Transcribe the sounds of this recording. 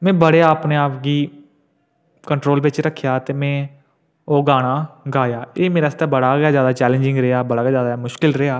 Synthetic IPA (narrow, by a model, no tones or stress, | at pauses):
mɛ̃ːbəɽeːaːpneːaːpɡiː | kəɳʈɾoːlbɪt͡ʃɾəkʰːjaːt̪eːmɛ̃ː | oːɡaːɽ̃aːɡaːjaːeːmeːɾaːst̪ɛːbəɽaːɡaːzjaːd̪aːt͡ʃɛːlẽːd͡ʒɪ̃ŋɡɾeːaːbəɽaːɡeaːzjaːd̪aːmʊʃkɪlɾeːaː